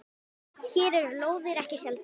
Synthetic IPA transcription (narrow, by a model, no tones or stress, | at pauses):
çɛːɾɛɾloːwðɪɾɛhcɪsjɛlt̪